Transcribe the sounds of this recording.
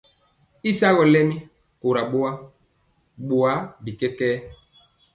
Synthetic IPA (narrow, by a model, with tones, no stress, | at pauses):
i˦sa˦ɣɔ˨lɛ˦mi˦ | ko˨ɾa˨ɓo˦a˦ | ɓo˨a˨˦bi˨kɛ˦kɛː˦